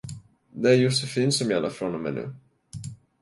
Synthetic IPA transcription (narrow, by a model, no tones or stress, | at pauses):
d̪ɛæɾjʊsɛfiːnsɔmjala̰fɾɔnɔmɛ̰nʉ̰ː